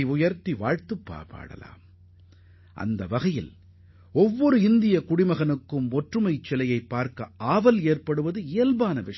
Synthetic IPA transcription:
ʊjɐɾt̪iʋa̰ːɻt̪ɯpːa̰ːpa̰ːɽɐ̰la̰ːm | ʔɐ̰nd̪ɐʋɐɣɐjɪ̰l | ɔʋːɔɾɯɪnd̪ɪjɐkʊɽɪmɐɣɐnɯkːɯmɔʈrɯmɐɪt͡ʃːɛlɐjɐɪpːaːɾkɐʔaːʋɐleːrpɐɽɯʋɐðɯɪːlbaːnɐʋɪʂ

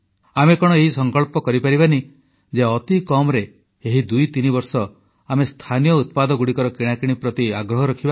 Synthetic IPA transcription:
amekɔɽ̃ɔeɦisɔŋkɔɭpɔkɔɾipaɾibani | d͡ʒeɔt̪ikɔmɔɾe | eɦid̪ujt̪inibɔɾsɔ | amest̪ʰanijɔut̪̚pad̪ɔɡuɽikɔɾɔkiɽ̃akiɽ̃ipɾɔt̪iaɡɾɔɦɔɾɔkʰiba

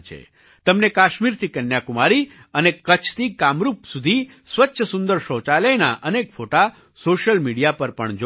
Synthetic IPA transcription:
t͡ʃʰḛ | t̪əmnekaʃmiɾt̪ʰikənjakumaɾi | ənekət͡ʃʰt̪ikamɾupsud̪ʱi | sʋətːʃʰəsʊnd̪əɾʃot͡ʃalena̰ʔənekfoʈa | soʃəlmiɽijapəɾpəɳd͡ʒo

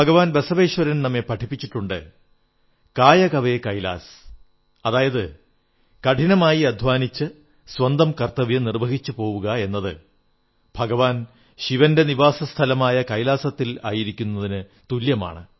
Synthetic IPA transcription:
bʱɐɡɐʋaːnbesɐʋeːɕwɐɾɐnnɐmːepɐʈʰipːit͡ɕːiʈːuɳɖɨ | kaːjɐkɐʋe̞kɐjla̰ːs | ɐðaːjɐðɨ | kɐʈʰinɐmaːjiɐd̪ʱʋaːnit͡ɕːɨ | swɐnd̪ɐmkɐrt̪ːɐʋijɐnirbɐɣit͡ɕːɨpo̞ːʋuɣɐe̞nːɐðɨ̰ | bʱɐɡɐʋaːn | ɕiʋɐnde̞niʋaːsɐst̪ʰɐlɐmaːjɐkɐjlaːsɐt̪ːila̰ːjiɾikʲːunːɐðinɨ | t̪uljɐma̰ːɳɨ

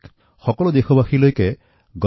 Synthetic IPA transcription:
xɔkɔlud̪exʰɔbaxʰilojke | ɡɔ

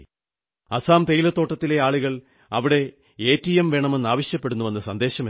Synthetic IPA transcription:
ɐsaːmt̪ejilɐt̪ːo̞ːʈːɐt̪ːile̞aːɭuɣɐɭ | ɐʋiɽe̞ | eːtːijɐmʋe̞ːɳɐme̞nːaːʋɐɕjɐpːeɽunːuʋɐnːɐsɐnd̪e̞ːɕɐme

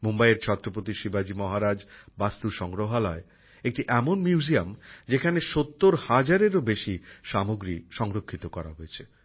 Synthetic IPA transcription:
mombaeɾt͡ɕʰɔt̪ːɾopot̪iʃibad͡ʑimɔɦaɾad͡ʑbast̪uʃɔŋɡɾoɦalɔe | ek̚ʈiʔɛmonmjiuuziamd͡ʑekʰaneʃot̪ːoɾhad͡ʑaɾeɾobeʃiʃamoɡɾiʃɔŋɾokʰːit̪okɔɾa̰ɦoet͡ɕʰe

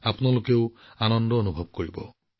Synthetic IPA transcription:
apunalokew | anɔnd̪ɔːnubʱɔb̚koɹibɔ

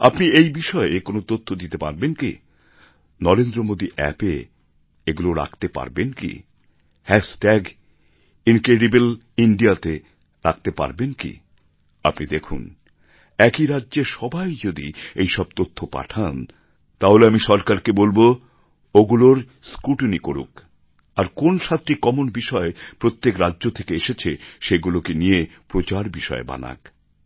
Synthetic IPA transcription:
a̰pniejbiʃɔekonot̪ot̪ʰːod̪it̪epa̰ɾbenkḭ | nɔɾend̪ɾomod̪iʔɛ̰pe | eɡuloɾa̰kʰt̪epa̰ɾbenkḭ | hɛsʈɛɡ | inkɾeɖibel | iɳɖijat̪e | ɾak̚t̪epa̰ɾbenkḭ | apnid̪ekʰṵn | ɛkiɾadːʑeʃɔbajd͡ʑod̪ḭejʃɔb̚t̪ot̪ʰːopa̰ʈʰan | t̪aɦoleamiʃɔɾkaɾkebolbo | oɡuloɾ | skɾuʈnikoɾṵk | aɾkonʃat̪ːɾikɔmonbiʃɔepɾot̪ːekɾadːʑot̪ʰekeeʃet͡ɕʰeʃeɡulokenijepɾot͡ɕaɾbiʃɔ̰eba̰na̰k

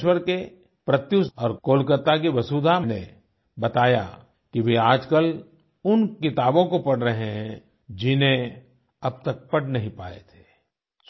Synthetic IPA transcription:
ʃwəɾke | pɾɐt̪jusɔːɾkoːlkət̪ak̬iʋɐsuːd̪ʱamne | bɐt̪aːja̰ | kiʋeaːd͡ʒkəl | ʊnkɪt̪aːbõkopɐɽ̤ɾɐɦẽɦɛ̃ | d͡ʒɪnɦẽ | ɐb̚t̪ɐk̚pɐʈnɐɦĩpaːḛt̪ʰe̥ː

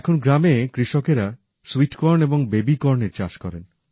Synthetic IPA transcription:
ɛkʰonɡɾamekɾiʃɔkeɾa | swiʈkɔɾneboŋbebikɔɾneɾt͡ɕaʃkɔɾen

